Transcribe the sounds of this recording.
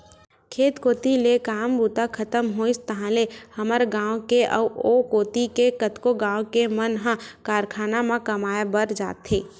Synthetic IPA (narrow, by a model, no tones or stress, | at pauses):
kʰeːt̪koːt̪ilekaːmbuːt̪akʰɐt̪əmɦoɪst̪əɦãlehɐməɾɡãːwkeʔɔoːkoːt̪ikekət̪koɡãːw̃kemənɦãkaːɾkʰaːnamãkɐmaːjabəɾd͡ʒa̰ːt̪ɦeː